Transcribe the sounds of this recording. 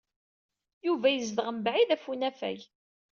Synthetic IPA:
juvæjəzðəʁəmbʕiðæfunæfæ̰j

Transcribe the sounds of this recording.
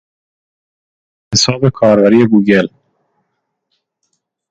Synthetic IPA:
hesɒːbe̞kʰɒːɾbæɾiːjeɡuːɟel

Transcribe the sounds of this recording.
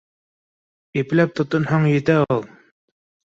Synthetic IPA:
iplæp̚t̪ʰŏt̪ŏnhɑɴjɘ̆t̪æulˠ

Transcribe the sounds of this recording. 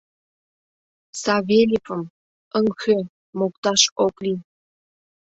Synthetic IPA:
sɑβelʲipəm | əŋxø | mok̚t̪ɑʃokli

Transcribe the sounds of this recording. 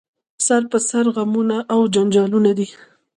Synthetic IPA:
saɾpəsaɾɣamunaʔawd͡ʒand͡ʒɑlunad̪i

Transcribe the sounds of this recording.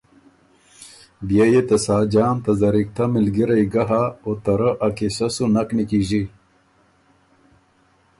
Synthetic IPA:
bjejet̪ɐsaːd͡ʑaːmt̪ɐzɐɾik̚t̪ʰamilɡiɾɐjɡɐɦaot̪ɐɾəʔɐkisɐsunɐknikiːʑi

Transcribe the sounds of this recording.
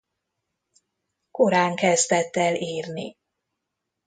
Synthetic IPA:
koɾaːŋkɛzd̪ɛt̪ːɛliːrnḭ

